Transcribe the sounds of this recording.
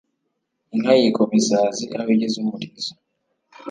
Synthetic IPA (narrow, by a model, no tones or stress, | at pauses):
iŋajikomisaːziʔaβiɟezumuɾiza